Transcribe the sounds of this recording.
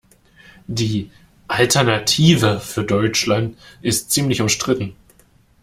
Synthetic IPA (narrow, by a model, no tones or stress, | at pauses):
diː | ʔaltʰɛɐnatʰiːvəfyːɐdɔʏt͡ʃlantɪstt͡siːmlɪçʊmʃtʁ̥ɪtn̩